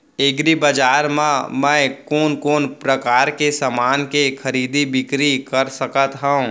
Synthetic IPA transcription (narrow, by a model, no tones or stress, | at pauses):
eɡɾibəd͡ʒaːɾmãmɛ̃ːkoːnkoːnpɾəkaːɾkesamaːnkekʰɐɾiːd̪ibɪkɾikəɾsəkət̪ɦəũ